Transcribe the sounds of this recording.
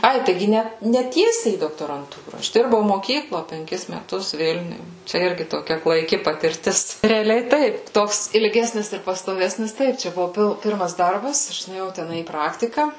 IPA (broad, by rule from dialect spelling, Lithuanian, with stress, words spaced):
ˈɐɪ tɐɪˈɡʲɪ ˈnʲɛ nʲɛ ˈtʲiɛsʲɛɪ iː doːktoːrɐnˈtuːrɐ ˈɐʃ ˈdʲɪrbɐʊ moːˈkʲiːklˠoː pʲɛŋʲˈkʲɪs mʲɛˈtʊs ˈʋʲɪlʲnʲʊj ˈt͡ʃʲɛ ˈɪrʲɡʲɪ toːˈkʲɛ klˠɐɪˈkʲɪ pɐtʲɪrʲˈtʲɪs rʲɛɐˈlʲɛɪ ˈtɐɪp ˈtoːks ɪlʲˈɡʲæːsʲnʲɪs ɪr pɐstoːˈʋʲæːsʲnʲɪs ˈtɐɪp t͡ʃʲɛ ˈbʊʋʊ ˈpʲɪlˠ ˈpʲɪrmɐs ˈdɐrbɐs ˈɐʃ nʊeːˈjɛʊ tʲɛˈnɐɪ iː ˈprɑːktʲɪkɐ